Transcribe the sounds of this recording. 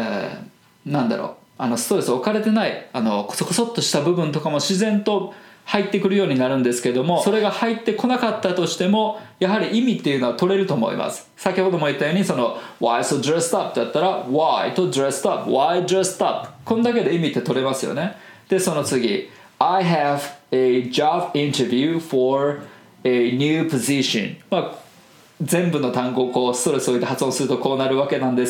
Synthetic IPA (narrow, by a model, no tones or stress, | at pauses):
ḛ | nãnd̪a̰ɾo̞̰ː | ano̞st̪oɾesokaɾe̞t̪e̞naiano̞ko̥sokosot̪ːo̞ɕi̥t̪abɯ̟bɯ̟̃nt̪o̞kamo̞ɕizẽ̞nt̪o̞hait̪ːe̞kɯ̟ɾɯ̟jo̞ːɲ̟inaɾɯ̟̃nd̪e̞sɨ̥ke̞d̪o̞mo̞so̞ɾe̞ɡahait̪ːe̞ko̞nakat̪ːat̪o̞ɕi̥t̪e̞mo̞jaɦaɾʲiʔimʲit̪ːe̞jɯ̟no̞βat̪o̞ɾe̞ɾɯ̟t̪o̞ːmo̞̰ḭmʔa̰sɨ̥ | sakʲiho̞d̪o̞moit̪ːajo̞ːɲ̟isono̞βaisod̪ɾest̪ap̚t̪ejat̪ːaɾawait̪od̪ɾest̪apwajd̪ɾest̪apkõ̞nd̪ak̬e̞d̪e̞imʲit̪ːe̞t̪o̞ɾe̞masɨjo̰ne̞ | d̪̥e̞so̞no̞t͡sɨɡʲḭ | ajɦæved͡ʑabĩnt̪evʲjʉfoɾ | eɲʲjʉːpoziɕõ̰nma | zẽ̞mbɯ̟no̞t̪ãŋɡo̞ːko̞ːsɨ̥t̪o̞ɾe̞sɨoit̪ehat͡sɨõsɨɾɯt̪o̞ko̞ːnaɾɯ̟βake̞nãnd̪e̞s